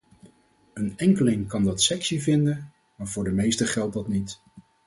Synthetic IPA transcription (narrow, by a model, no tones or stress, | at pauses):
ənɛŋkəlɪŋkɑndɑtsɛksivɪndən | maːɹvʊːɹdəmejstəχɛlˠt̚dɑtnit